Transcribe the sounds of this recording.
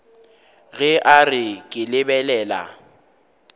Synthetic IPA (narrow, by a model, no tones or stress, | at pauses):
ɣɛʔarɪkʼɪlɪbɛlɛːla̰